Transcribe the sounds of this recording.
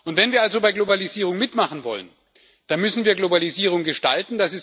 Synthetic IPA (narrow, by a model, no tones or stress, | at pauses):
ʔʊntv̥ɛnviːɐalzobaɪɡlobaliziːʁ̞ʊŋmɪtmaχn̩vɔ̰lə̰n | d̥anmʏsn̩viːɐɡlobaliziːʁ̞ʊŋɡəʃtaltn̩d̥asɪs